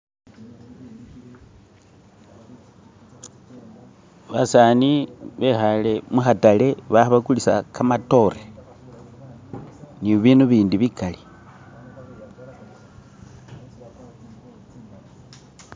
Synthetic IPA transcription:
βasaniβe̞xale̞muxatale̞βaβakulisa̰kʰamato̞ɾe | niβiːnuβiːndiβikali

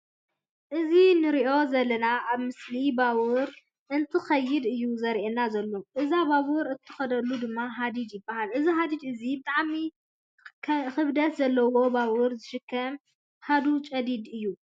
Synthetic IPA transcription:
ʔɨzinɨɾiʔo̞zɐlːɐnaʔaβmɨslibawʊɾ | ʔɨnt̪ʰɨxɐjːɪd̪ɨjːuzɐɾʔenːazɐlːo̞ʔɨzabawɨɾɨt̪ʰːɨ̥xɐd̪ɐlːud̪ɨmːaɦad̪id̪jɪbːahalʔɨziɦad̪id̪ɨzibɨt̪ʼaʕmi | xɨβd̪ɐt̪zɐlːɐwo̞bawʊɾzɨʃɨkʰːɐm | had̪ut͡ʃʼɐd̪id̪ɨjːu

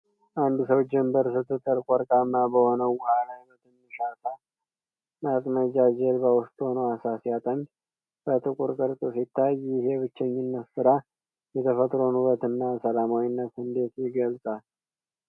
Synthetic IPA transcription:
ʔand̪usəwd͡ʒɛmbəɾsɨt̪ʰːɨt̪ʼːəɾkʷʼɔɾkʼamːabəho̞nəwwahanajbət̪ʰɨnːɨʃat̪ʰa | makʼməd͡ʒad͡ʒɛlbawʊst̪ʼho̞nəwasasjat̪ʼənd | bət̪ʰɨkʼuɾkʼɨɾt̪ʼosit̪ʰːajɪɦeβɨt͡ʃːɛɲːɪnːət̪sɨɾa | jɛt̪ʰəfət̪ʼɾonuβət̪ɨnːasəlamawinːət̪hɨnd̪e̞t̪jɪɡəlsʼal

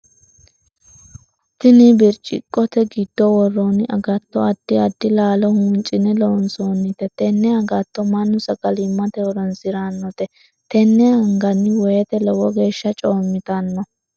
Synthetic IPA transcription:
t̪ɪnɪbɪɾt͡ʃʼɪ̰kʼːɔt̪ɛɡɪd̪̥ːɔwɔrːɔnʔɐɡɐt̪ːɔɐd̪̥ːɪɐd̪ːɪlaːlɔhʊnt͡ʃʼɪnɛlɔwɔnsoːnːɪt̪ɛt̪ɛnːɛɐɡɐt̪ːɔmɐnːʊsɐɡʼɐlɪmːɐt̪ɛwɔɾɔnsɪɾanːɔt̪ɛ | t̪ɛnːɛhɐŋɡɐnːɪwɔjɛt̪ɛlɔwɔɡe̞ːʃːɐt͡ʃʼoːmːɪt̪ɐnːɔ

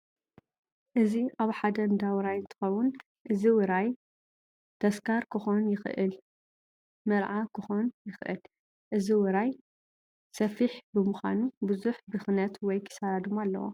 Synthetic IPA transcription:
ʔɨziaβħad̪ɐnd̪awɾajnt̪ʰɨ̥xɐwʊn | ʔɨziwɨɾaj | t̪ʰɐskʰaɾkʰɨxonjɪxʔɨl | mɐɾʕakʰɨxonjɨxʔɨ̰l | ʔɨziwɨɾaj | sɐfiħbɨmuxʷa̰nubɨzuħbɨxnɐt̪wɔjkʰɨ̥saɾad̪umalːɐ̰wo̰

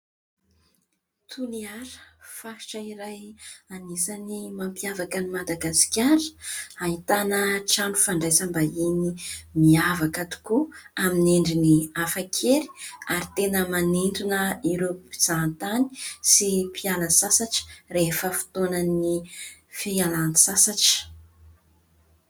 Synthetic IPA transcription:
t̪ʰuliaɾə̥fahi̥ʈ͡ʂəiɾajanisanimampiavakənimad̪aɡasi̥kʲaɾə̥aɦit̪anəʈ͡ʂaɳufaɳɖ͡ʐajsambainimiavakət̪u̥kuamineɳɖ͡ʐiniafakʰeɾi̥aɾit̪enəmaninɖ͡ʐunəiɾoi̥z̥ant̪ani̥sipʰialəsasaʈ͡ʂi̥refəfu̥t̪onənifealani̥sasaʈ͡ʂə̥

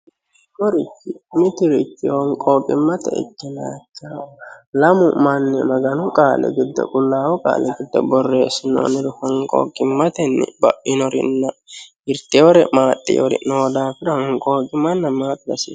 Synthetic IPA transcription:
kɔɾɪt͡ʃːɪmɪt̪ɪɾɪt͡ʃːɪhɔŋkʼoːkʼɪmːɐt̪ɛ̰ɪ̰kːɪna̰ːt͡ʃːaːwlɐmʊmɐnːɛmɐɡɐnʊkʼaːlɛ̰ɡɪd̪ːɐ̰kʼʊlːaːwɔkʼa̰ːlɛɡɪd̪ːɐ̰bɔrːeːsɪno̰ːnɪɾʊhɔŋkʼo̰ːkʼːɪmːɐt̪ɛnːɪ̰bɐʔɪnɔɾɪ̰nːɐ | ɪɾt̪ɛɔɾɛmaːt̪ʼːḭjɔ̰ɾɪ̰noːd̪aːfɪɾhɔŋkʼoːkʼɪmɐnːɐmaːt̪ʼbɐsḭːs

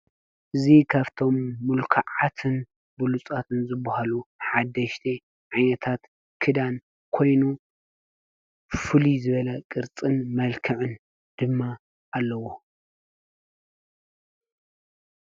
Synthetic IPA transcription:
ʔɨzikʰaβt̪ʰo̞mːulkʰaʕat̪ʰɨn | bɨlut͡sʼat̪ʰɨnzɨbahaluħad̪ːɐʃt̪ʰi | ʕajnɐt̪ʰat̪ | kʰɨd̪an | kʰo̞jnu | fɨlizɨβɐlɐkʼɨɾt͡sʼɨnmɐlkʰɨʕɨn | d̪̥ɨmːa | ʔalːɐwo̞

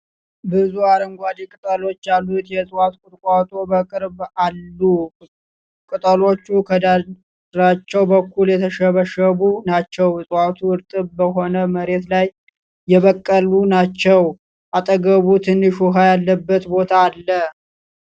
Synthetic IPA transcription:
bɨzuaɾəŋɡʷad̪ekʼɨt̪ʼəlo̞t͡ʃːjalːut̪jɛsʼwat̪kʼʊɾʼkʷʼat̪ʼobəkʼɨɾbalːu | kʼɨt̪ʼəlo̞t͡ʃːukʰəd̪a | ɾat͡ʃːɛwbəkʰːuljɛt̪ʰəʃəβəʃəβunat͡ʃːɛwsʼwat̪ʰuɨɾt̪ʼɨβbəɦo̞nəməɾe̞t̪lajː | ɛβəkʼːəlunat͡ʃːɛw | ʔat̪ʼəɡəβut̪ʰɨnːɨʃuɦajalːəbːət̪bo̞t̪ʰaːlːə

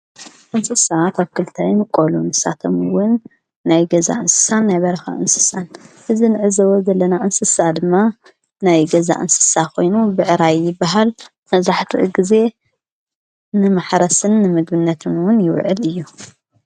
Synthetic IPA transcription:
ʔɨnsɨsak̪ʰaβkɨlt̪ʰajnɨkʼːolunɨsa̰t̪ʰomɨwʊnː | ajɡɐza̰ʔɨnsɨ̥sanːajβɐɾɐxa̰ʔɨnsɨ̥sanʔɨzinɨʕɨzɐwozɐlːɐnaʔɨnsɨsad̪ɨmːa | najɡɐza̰ʔɨ̰nsɨ̥sakʰo̞jnubɨʕɨɾajːɪbːaɦal | mɐβzaħt̪ʰḭʔɡize̞ | nɨmaħɾɐsɨnːɨmɨɡbɨnːɐt̪ʰɨnwʊnjɪwʕɨ̰lɨjːu

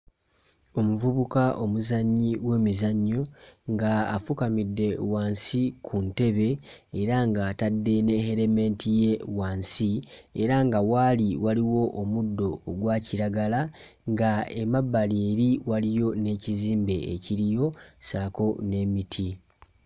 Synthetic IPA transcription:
o̞muvuβukaʔo̞muzaɲːiwe̞ːmizaɲːoŋɡa̰ːfukamidːe̞waːnsikʰunte̞βe̞ːɾaŋɡaːtadːe̞ne̞he̞ɾeme̞ːntije̞waːnsieɾaŋɡawaːliwaliwo̞ʔomudːo̞ːɡwaːciɾaɡala | ŋɡaemabːaliːɾiwalijo̞ne̞ːciziːmbe̞eciɾijo̞saːko̞ne̞mitʰi

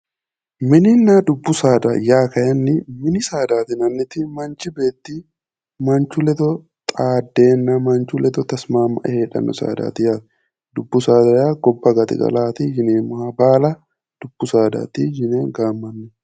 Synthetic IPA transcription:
mɪnɪnːad̪ʊbːʊsaːd̪ɐjaːkɐjɐnːɪmɪnɪsaːd̪aːt̪ɪnɐnːɪt̪ɪmɐnt͡ʃɪbe̞ːt̪ːi | mɐnt͡ʃʊlɛt̪ɔ | t̪ʼaːd̪ːe̞ːnːɐmɐnt͡ʃʊlɛt̪ɔt̪ɐsmaːmːɐ̰ʔɛheːᶑɐ̰nːɔ̰sa̰ːd̪a̰ːt̪ɪjaːt̪ | d̪ʊbːʊsaːd̪ɐjaːɡɔbːɐɡɐt̪ɪ̰ɡɐ̰laːt̪ɪd͡ʒɪneːmɐbaːlɐ | d̪̥ʊb̥ːʊsaːd̪a̰ːt̪ɪd͡ʒɪneːŋɡaːmːɐnːʊ

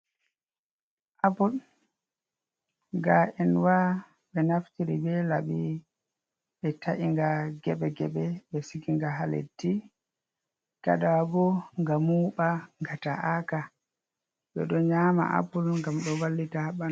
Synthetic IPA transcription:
ʔapul | ɡaʔɛnwa | ɓɛnaftiɾibɛlaɓi | ɓɛtaʔiŋɡaɡɛɓɛɡɛɓɛɓɛsikiŋɡaɦalḛtːi | ka̰ɗabɔŋɡamuːɓaŋɡataʔaka | ɓɛ̰ɗɔɲaːma̰ʔa̰pulŋɡamɗɔwalːitahaɓan

